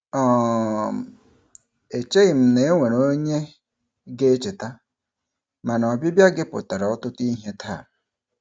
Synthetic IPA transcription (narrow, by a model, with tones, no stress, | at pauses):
ɔ˦˨m˨ | e˨t͡ʃe˦ɣi˨m̩˦ne˨˦e˦ŋʷe˨ɾo˦ɲe˦ | ɡe˦e˦t͡ʃe˨ta˦ | ma˨nɔ˨bi˦bja˦ɡe˦pʊ̰˨ta˨ɾa˨ɔ˦tʊ˦ti˦ɦe˦tʰa̰˦˨